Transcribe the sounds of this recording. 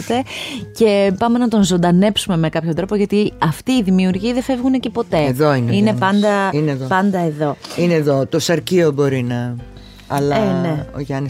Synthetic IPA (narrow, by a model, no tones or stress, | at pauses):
t̪e̞ce̞pɐme̞nɐt̪o̞nzo̞nd̪ɐne̞psume̞me̞kɐpçot̪ɾopoʝɐt̪iɐft̪iːðimiuɾʝiɐðefe̞vɣunecepo̞t̪e̞eðoinine̞pɐnd̪ɐineðopɐnd̪ɐeðo̞ineːðot̪osɐɾciobo̞ɾinɐ | ɐlɐene̞o̰ʝɐni